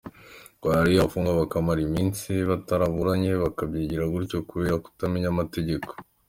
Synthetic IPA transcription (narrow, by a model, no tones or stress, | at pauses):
ɡ̥waɾijafuːŋɡaβakamaɾimiːnsiβataɾaβuɾaɲe̞βakabɟiːɟiɾaɡuɾco̞kuβe̞ɾaku̥tamiɲamate̞ɟe̞ko̥